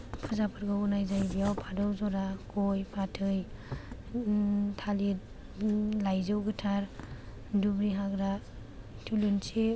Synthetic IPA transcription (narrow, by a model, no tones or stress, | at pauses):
pʰɯzapʰɯɾɡaunajzajbijawpʰadɔwzɔɾakʰɔjpʰatʰɯj | tʰali | lajzɯwɡɯtʰaɾ | dubɾiɦaɡɾa | tʰulɯnse